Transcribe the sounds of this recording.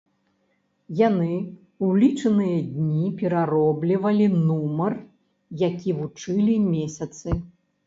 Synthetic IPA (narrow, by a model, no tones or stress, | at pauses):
janɨ | ulʲit͡ʂɐnɨjɐd̪ʲnʲipʲɛɾaɾɔblʲivɐlʲinumɐr | jakʲivut͡ʂɨlʲimʲesʲɐt̪sɨ